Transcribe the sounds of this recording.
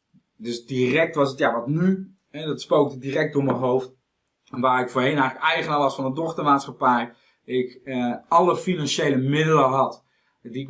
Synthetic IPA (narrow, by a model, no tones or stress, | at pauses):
døsdirɛk̚tʋɑsətjaʋɔtny | ɦɛdɔtspowk̚dədirɛk̚dʊːɹməɦowft | ɛnʋaːɹɪkfoːɦejnɛjxləkɛjχənalɑstfɔnədɔχtəmaːtsχapɛj | ɪkʔɑləfinɑnʃejləmɪdələɦɑt | diɪk